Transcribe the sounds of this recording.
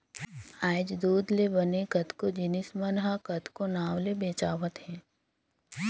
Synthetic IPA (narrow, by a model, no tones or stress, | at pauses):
aːd͡ʒd̪uːd̪lebɐnekɐt̪kod͡ʒɪnɪsmənɦakɐt̪konaːwlebeːt͡ʃaːʋət̪ɦɛ̃ː